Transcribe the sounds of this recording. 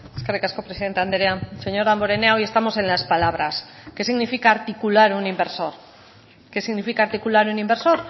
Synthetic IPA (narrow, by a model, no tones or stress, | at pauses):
skaɾekaskopɾesiðe̞nt̪eand̪ɾease̞ɲoɾamboɾeneao̞je̞st̪amo̞sẽ̞nlaspalaβ̞ɾaske̞siɣnifikaːɾt̪ikulaɾunimbeɾso̞ɾ | kesiɣnifikaɾt̪ikulaɾunĩmbe̞ɾso̞ɾ